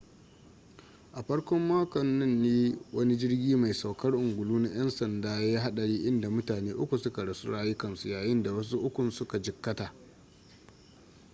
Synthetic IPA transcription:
ʔa˨ɸɐ˦ɽkʷɔ˦mːaː˦kɔ˨nːʊ˦nːiː˦wɐ˦ni˦d͡ʒɪ˦rɡʲiː˦ma˨jsa˨wkɐ˦rʔʊ˨ŋɡʷʊ˨luː˦na˦j̰ɐ˦nsɐ˨ndaː˦jaa˦ɦa˦ɗɐ˨ɽiː˦ʔɪ˦nda˨mʊ˦taː˨neː˦ʔʊ˦kʷu˨sʊ˦ka˨ɽa˨su˦ɽaː˦jɪ˦kɐ˨nsu˨jaː˨jɪ˦nda˨wɐ˦s̬u˦ʔʊ˦kʷʊ˨nsʊ˦ka˨d͡ʒɪ˨kːɐ˦taː˨ʔ

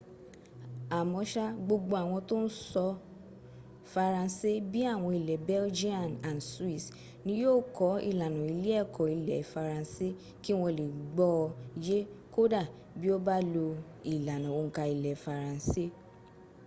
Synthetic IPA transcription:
a˨mɔ̃˧ʃa˦ɡ͡bo˧ɡ͡bo˧a˨w̃ɔ̃˧to˦n̩˦sɔ˧ | fa˧ɾã˧˦se˦bi˦a˦˨w̃ɔ̃˧i˨lɛ˨bɛ˦ld͡ʒi˦ã˨nã˨nswi˦˨s | nĩ˧˦joː˦˨kɔ˨˦ḭ˦˨la˨nũ˨i˨˧˦le˦ɛ˦˨kɔ˨i˨lɛ˨fa˧ɾã˧se˦ | ki˦w̃ɔ̃˧le˨ɡ͡bɔ˦˧i˧d͡ʒe˦ko˦da˦˨ | bi˦o˦ba˦lo˧ | i˨la˨nũ˨o˨˦˨ŋ̩˨˦ka˧i˨lɛ˨fa˧ɾã˧˦se˦

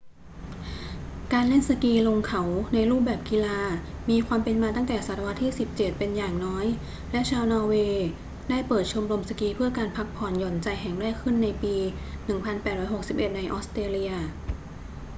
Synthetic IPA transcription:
kaː˧nle˥˩nsa˧kiː˧lo˧ŋkʰa˩˦wna˧jɾuː˥˩p̚bɛː˨˩p̚ki˧laː˧miː˧kʰwaː˧mpe˧nmaː˧t̪a˥˩ŋt̪ɛː˨˩sa˨˩t̪a˧wa˦˥t̪ʰːiː˥˩si˨˩p̚t͡ɕe˨˩t̪̚pe˧njaː˨˩ŋnɔː˦˥j | lɛ˦˥ʔt͡ɕʰaː˧wnɔː˧weː˧ | daː˥˩jpɤː˨˩t̪̚t͡ɕʰo˧mɾo˧msa˧kiː˧pʰɯ˥˩ɐkaː˧npʰa˦˥k̚pʰɔː˨˩njɔː˨˩nt͡ɕa˧jɦɛ˨˩ŋɾɛː˥˩kʰːɯ˥˩nːa˧jpiː˧ | nɯ˨˩ŋpʰa˧npɛː˨˩t̪̚ɾɔː˦˥jho˨˩k̚si˨˩p̚ʔe˨˩t̪̚na˧jʔɔː˦˥st̪ɾeː˧li˧ɐ

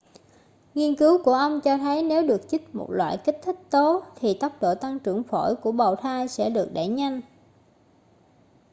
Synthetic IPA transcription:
ŋi˧ənkɨ˨˦wku˧˩əʔə˧wŋ͡mt͡ɕɔ˧t̪ʰə˨˦jne˨˦wɗɨ˨˩ək̚t͡ɕi˦˥k̟̚mo̰˨˩t̚lwa̰ː˧˨jki˦˥k̟̚t̪ʰï˦˥k̚t̪o˨˦t̪ʰi˨˩t̪ə˦˥wk͡p̚ɗo̰˧˨t̪a˧ŋt͡ɕɨ˧˩əŋfo̰˧˩jku˧˩əɓə˨˩wt̪ʰaː˧jsɛ̰˧˥ɗɨ˨˩ək̚ɗe˧˩ɲa˧jŋ̟

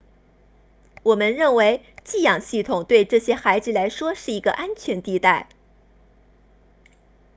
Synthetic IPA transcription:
wɔ˨˩mə˧˦nɻə˥˩nwe˧˥ɪ | t͡ɕi˥˩jɑ˨˩ŋɕi˥˩t̪ʰʊ˨˩ŋt̪we˥˧ɪʈ͡ʂɤ˥˩ɕjɛ˥xa˧˥ɪd͡zɹ̩˨˩la˧˥ɪʂwɔ˥ʂɻ̩˥˩i˧˥ɡə̰˧ʔa˥nt͡ɕʰɥɛ˧˥nt̪i˥˧t̪a˥˩ɪ

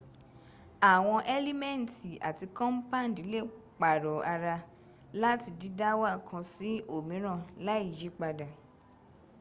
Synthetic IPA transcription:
a˨w̃ɔ̃˧ʔɛ˦li˦mɛ̃˦˨n̩˨ti˨a̰˨ti˧kɔ̃˦m̩˦pã˦˨n˨di˨˦le˦˨ | k͡pa˨ɾɔ˨a˧ɾa˧ | la˦ti˧di˦da˦wa˦˨kʰã˧si˦o˦˨mĩ˨˦ɾ̃ã˦˨la˨˦i˦˨d͡ʒi˨˦k͡pa˧da˨

